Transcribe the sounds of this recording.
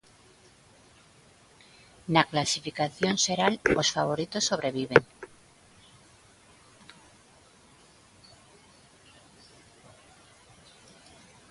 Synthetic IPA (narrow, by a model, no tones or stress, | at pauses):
naklasifikaθjonse̞ɾalo̞sfaβ̞o̞ɾit̪o̞sːo̞βɾe̞βiβeŋ